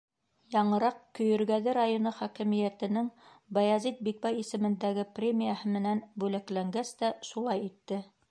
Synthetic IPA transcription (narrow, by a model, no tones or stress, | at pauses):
jɑɴɤ̆ɾɑqkɵ̆jɵ̆ɾɡæðɘɾajonɤχækɘ̆mijæt̪ɘ̆nɘŋ | bɑjɑzit̪̚bik̚bæjisɘ̆mɘ̆nd̪æɡɘprʲemʲijahɤmɘ̆nænbʉlæklæŋɡæst̪æʃulˠɑjit̪ːɘ